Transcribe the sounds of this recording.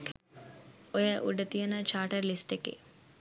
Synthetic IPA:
ojɐʔuɖɐt̪ijɐnɐt͡ʃaːʈɐɾlisʈekḛ

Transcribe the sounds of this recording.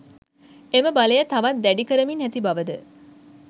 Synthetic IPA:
eməbalejɐt̪ɐʋɐt̪̚d̪æɖikəɾəminɦæt̪ibaʋəd̪ə

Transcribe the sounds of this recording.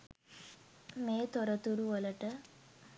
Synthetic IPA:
meːt̪ɔɾɐt̪uɾuʋɔlɐʈɐ

